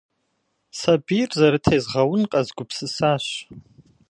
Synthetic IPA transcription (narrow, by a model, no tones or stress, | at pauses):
sabirzaɾɨtʰajzʁawʊnqʼazɡʷʊpʰsɨsaʃʷ